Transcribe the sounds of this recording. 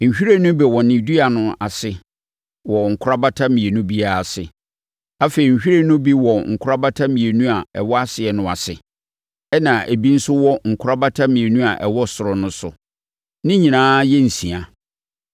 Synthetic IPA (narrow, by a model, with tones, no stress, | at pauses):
ɲ̩˨ɕᶣi˦ɾe˦nʊ̃˦bɛ˨wɔ˨nɪ̃˨du˦a˨nʊ̃˦a˨sɪ˨ | wɔ˨ŋ̩˨kʰʊ˦ɾa˦ba˦tʰa˦mĩ˨e˨nũ˦bi˦a˨˦a˨sɪ˨ | a˦fe˨i˨ɲ̩˨ɕᶣi˦e˦nʊ̃˦bi˦wɔ˨ŋ̩˨kʰʊ˦ɾa˦ba˦tʰa˦mĩ˨e˨nũ˦a˨ɛ̰˨wɔ˦a˦sɪ˨ɛ˨nʊ̃˨a̰˨sɪ̰˨ | ɛ˦nã˨e˨bi˦n̩˦sʊ˦wɔ˦ŋ̩˨kʰʊ˦ɾa˦ba˦tʰa˦mĩ˨e˨nũ˦a˨ʔɛ˨wɔ˦sʊ˨ɾʊ˨nʊ̃˦sʊ̰˨ | nɪ̃˦ɲĩ˨nãː˦jɛ˦n̩˨sĩ˨a˨